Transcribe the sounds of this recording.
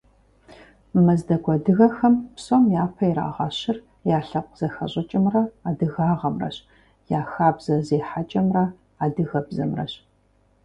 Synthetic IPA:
mɐzdɐɡʷʰʼɔdɨɣɐxɐmpsomjaːpʰɐiɾa̰ːʁɑɕɪr | jaːɬɐpʷʼz̥ɐxɐ̰ɕʼɐt͡ʃʼɪmrɐaːdɨɣaːʁɐmrɐ̰ɕ | jaːxaːbzɐzeːħat͡ʃʼɐmrɐ | aːdɨɣɐbzɐmrɐ̰ɕ

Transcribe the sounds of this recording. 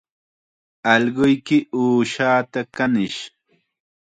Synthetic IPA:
ɑʎɢʊjkɪʔuːʃaːt̪akanɪʃ

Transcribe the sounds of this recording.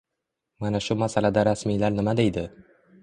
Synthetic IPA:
manaʃʊmasalad̪aɾasmijlaɾnɪmad̪e̞jd̪ɪ

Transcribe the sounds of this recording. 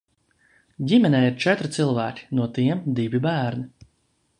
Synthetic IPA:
ɟʲimɛnɛːiɾt͡ʃɛt̪ɾt̪silˠvæːkʲi̥nuɔt̪iɛmd̪ivʲibæːɾni

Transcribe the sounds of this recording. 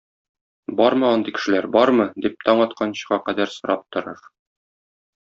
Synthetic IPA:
bɒɾmɤɒnd̪ɤjkɘ̥̆ʃɘ̆læɾbɒɾmɤd̪ip̚t̪ɒɴɒt̪̚qʰɑnɕɤ̥̆ʁɑqæd̪æɾsŏɾʔɑp̚t̪ŏɾɤɾ

